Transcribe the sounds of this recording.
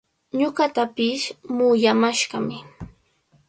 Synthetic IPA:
ɲoɢɑt̪apɪsmʊjamaʃɢɑmɪ

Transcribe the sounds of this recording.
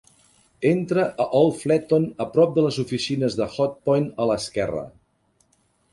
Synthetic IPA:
ent̪ɾəʔəʔɔlˠflɛt̪onəpɾɔp̚d̪ələzufisinəzðəxɔt̪̚pɔjnələskɛrə̰

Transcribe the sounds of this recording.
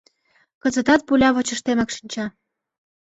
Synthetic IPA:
kɤ̆zə̆t̪ɑt̪̚pulʲɑβɤ̆t͡ɕə̆ʃt̪emekʃi̥nʲt͡ɕɑ

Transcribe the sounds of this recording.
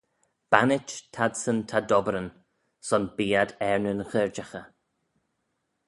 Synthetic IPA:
b̥anɪt͡ʃtʰadsəntʰadɔbəɾən | sɔnbiːadɛɹnənxəɹd͡ʒaxə

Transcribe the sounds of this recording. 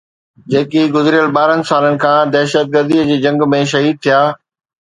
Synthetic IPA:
d͡ʑeːkiɡʊzɾijəlɓaːɾənɪ̆saːlənɪ̆kʰãːd̪ɛːʃət̪̚ɡəɾd̪iəd͡ʑiːd͡ʑɐ̃ŋɡmẽʃ̬ɐɦiːd̪̚t̪ʰijaː

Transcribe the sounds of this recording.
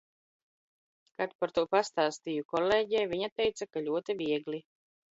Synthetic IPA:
kat̪paɾt̪uɔpast̪aːst̪ijukɔleːɟɛːjviɲat̪ɛjt̪sakaʎʲuɔt̪iviɛɡlʲi

